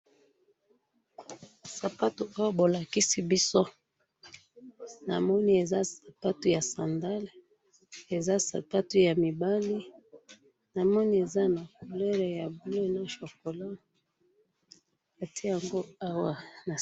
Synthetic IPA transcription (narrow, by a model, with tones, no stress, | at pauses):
sa˨pa˦to˨a˦wa˦bo˨la˨ki˦si˦bi˦so˦ | na̰˨mɔ˦ni˦e˨za˦sa˨pa˦to˨ja˨sa˨nda˦l | e˨za˦sa̰˨pa˦to˨ja˨mi˨ba˦li˦ | na˨mɔ˦ni˦e˨za˦na˨ko˨le˦ɾa˨ja˨bu˨˦lo˦˨na˦ʃo˨ko˨la˦ | a˨tʰi˦ja˨ŋɡo˦a˦wa˨na˨